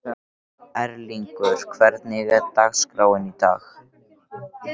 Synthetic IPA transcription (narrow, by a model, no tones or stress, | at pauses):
ɛɾliŋkʏɾ̥kʰvɛɾt̪nɪɣɛðt̪axskɾaːwɪnit̪a̰ːx